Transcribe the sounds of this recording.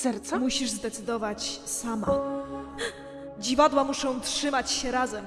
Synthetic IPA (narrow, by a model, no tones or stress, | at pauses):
sɛɾt̪samuɕiʐzd̪ɛt̪sɘd̪ɔvat͡ɕsama̰ | d͡ʑivad̪wamuʂɔ̃w̃tʂɘmat͡ɕɕɛɾazɛm